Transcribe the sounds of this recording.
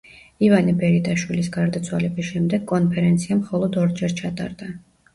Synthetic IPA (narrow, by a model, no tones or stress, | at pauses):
ivanibɛɾit̪ʼaʃwilisɡaɾd̪at̪sʰwalɛbisʃɛmd̪ɛɡkʼːɔnpʰɛɾɛnt̪sʰiamχɔlˠɔd̪ɔɾd͡ʒɛɾt͡ʃʰat̪ʼa̰ɾd̪a